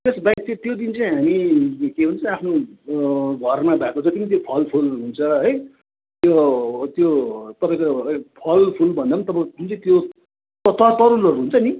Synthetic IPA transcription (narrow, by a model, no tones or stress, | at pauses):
t̪esbajkt͡sãt̪jod̪int͡saĩɦamikeɦunt͡sʰʌ̃apʰno | ɡʱʌrmabakod͡zʰʌt̪imat̪̬jopʰʌlpʰulɦunt͡sʰʌɦʌj | t̪jot̪jot̪ʌpãĩkopʰʌlpʰulbʱʌnd̪amʌnt̪ʌpãkunt͡sʌ̃t̪jo | t̪ʌt̪ʌt̪ʌɾulʌɾuɦunt͡sʰʌni